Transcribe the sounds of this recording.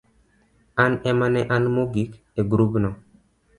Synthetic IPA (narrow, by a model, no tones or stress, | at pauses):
anɛmanɛʔanmoɡik | eɡɾubnɔ